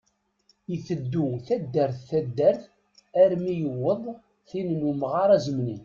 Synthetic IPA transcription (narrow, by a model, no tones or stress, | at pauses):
iθəd̪ːuθæd̪ːəɾθːæd̪ːæɾθ | æɾmijəwːəðˤ | θinnumʁɑɾˤæzəmni